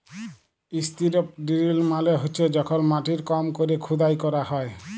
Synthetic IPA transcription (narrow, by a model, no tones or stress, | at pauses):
ist̪iɾɔp̚ɖiɾilmaleɦot͡ʃʰɛd͡ʒɔkʰɔnmaʈiɾkɔmkoɾikʰud̪ajkɔɾahɔj